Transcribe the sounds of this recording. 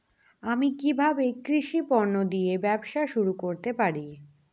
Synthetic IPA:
amikibʱabekɾiʃipɔɾnod̪ijebɛbʃaʃuɾukoɾt̪epaɾi

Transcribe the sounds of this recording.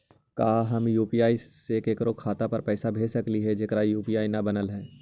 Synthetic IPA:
kaːɦɐmjuːpijaːiseːkeːkɾokʰaːt̪apɐɾpɛːsabʱeːsɐkliɦɛd͡ʒɪkɾajuːpiaːinɐbɐnəlɦɛː

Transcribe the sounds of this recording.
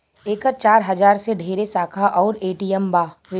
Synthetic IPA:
eːkəɾt͡ʃaːɾɦɐd͡ʒaːɾseɖʱeːɾesaːkʰaʔɔːɾeːʈijɛmbaːʋe

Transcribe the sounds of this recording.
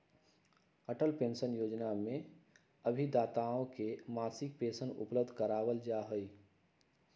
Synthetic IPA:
əʈəlpẽːnsənjoːd͡ʒnamẽ | əbʱid̪aːt̪aõkemaːsɪk̚peːsənʊ̰pləb̚d̪ʱkəɾaːwəld͡ʒaɦʊi

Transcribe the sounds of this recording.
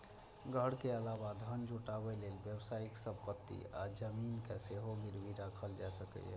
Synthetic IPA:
ɡʱəɽkeəlabad̪ʱənd͡ʒʱuʈabelelbjəbsaːɪksəbpət̪ːḭa̰d͡ʒəminkeseɦoɡiɾbiɾakʰəld͡ʒasəkɛ̰ɛ̰

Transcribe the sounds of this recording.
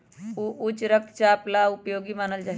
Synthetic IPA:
uʔut͡ʃɾəkʰt͡ʃaːplaupjoːɡimaːnəld͡ʒaːɦ

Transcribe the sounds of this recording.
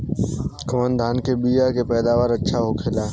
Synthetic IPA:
koːnd̪ʱaːnkeːbiːjaːkeːpɛːd̪aːʋaːɾətːʃʰaɦoːkʰeːlaː

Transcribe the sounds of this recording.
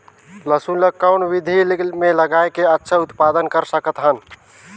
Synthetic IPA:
ləsuləkːəwnʋid̪ʱilmeləɡaekeətːʃʰəut̪pad̪ənkəɾsəkət̪ɦən

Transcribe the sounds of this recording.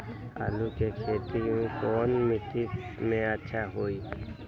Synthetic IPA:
a̰lukekʰeːt̪iũĩkɔːnmɪt̪imẽətːʃʰaɦoːi

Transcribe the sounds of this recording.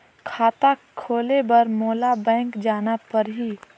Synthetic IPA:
kʰaːt̪akʰoːlebɐɾmoːlabɛ̃ːŋkd͡ʒaːnapɐɾɦi

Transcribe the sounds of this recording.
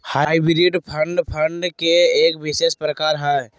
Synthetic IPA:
haibɾiɖpʰə̃ɳɖpʰəɳɖkeeːkʋɪʃeːʃpɾəkaːɾɦɛ

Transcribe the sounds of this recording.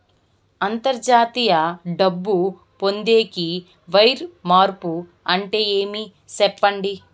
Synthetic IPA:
ɐnt̪ɐɾd͡ʒaːt̪ijɐɖɐbːu | po̞nd̪e̞ːki | ʋɐjɾmaːɾpu | ɐɳʈe̞ːje̞ːmi | sɛpːɐɳɖi

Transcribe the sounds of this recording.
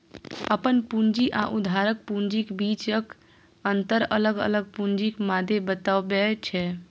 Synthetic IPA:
əpənpund͡ʒiʔaʔud̪ʱaɾək̚pund͡ʒikbit͡ʃək | ənt̪əɾələɡə̰ləɡ̚pund͡ʒikmad̪ʱebət̪abɛt͡ʃʰɛ

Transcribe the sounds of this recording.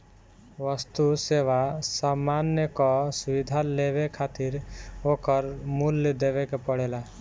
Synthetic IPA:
ʋəst̪useʋasamanjəkɔsubid̪ʱaleβekʰat̪iɾokəɾmuld̪eβekepəɽela

